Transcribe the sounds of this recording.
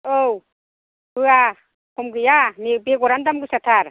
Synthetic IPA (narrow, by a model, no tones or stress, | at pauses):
ow | bɯa | kʰɔmɡɯjamibeɡɔɾandamɡɯsat̪ʰaɾ